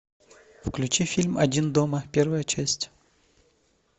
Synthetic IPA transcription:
fklʲʉt͡ɕifʲilʲmɐdʲind̪oməpʲervəjət͡ɕæsʲtʲ

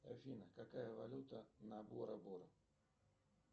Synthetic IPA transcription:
ɐ̰fʲinəkɐkajəvɐlʲut̪ənɐboɾɐboɾɐ

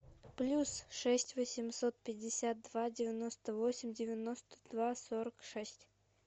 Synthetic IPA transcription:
plʲusʂɛsʲtʲvəsʲɪmsot̪̚pʲɪdʲɪsʲat̪̚d̪vadʲɪvʲɪno̞st̪əvo̞sʲɪmʲdʲɪvʲɪno̞st̪ə̥d̪̥vasoɾəkʂɛsʲtʲ

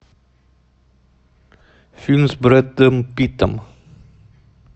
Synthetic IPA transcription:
fynsbɾɛt̪əmpit̪əm

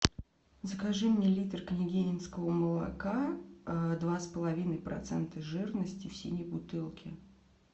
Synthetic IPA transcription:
zəkaʐɨmnʲelʲit̪rknʲɪɡʲenʲɪnskəvəməlˠɐ̰ka | d̪vaspəlˠɐvʲinəjpɾɐ̰t̪sɛnt̪əʐɨrnəsʲtʲɪfsʲinʲɪjbʊt̪ɨlˠkʲɪ

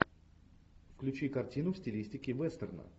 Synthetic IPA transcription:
fklʲʉt͡ɕikɐrtʲinʊfsʲtʲɪlʲisʲtʲɪkʲɪvɛst̪ərnə̰

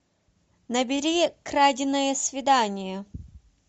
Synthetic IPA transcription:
nɐbʲɪɾʲikɾadʲɪnːəjəsvʲɪd̪anʲɪjə

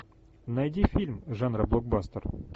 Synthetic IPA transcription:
nɐjdʲifʲilʲmʐanɾablˠok̚bast̪ər

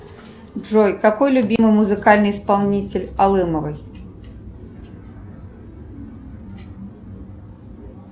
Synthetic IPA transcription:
bʐɔjkakɔjlʲʊbʲimɨjmʊzɨkalʲnɨjspalˠnʲit͡sʲɪlʲalˠɨmɐvɨj

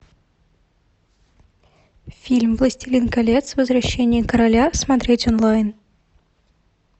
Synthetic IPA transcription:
fʲilʲmvlˠəsʲtʲilʲinkɐlʲet̪svəzrɐɕːenʲɪjəkəɾɐlʲasmand̪rʲet̪ʲonlˠajn

